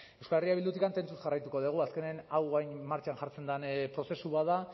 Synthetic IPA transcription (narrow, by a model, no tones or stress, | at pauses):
e̞wskaleriaβild̪ut̪ikant̪e̞nt͡susʝarajt̪uko̞ð̞uɣ̞uaske̞neanawajnmaɾt͡ʃaanʝaɾt͡se̞nd̪anpɾo̞se̞suβaða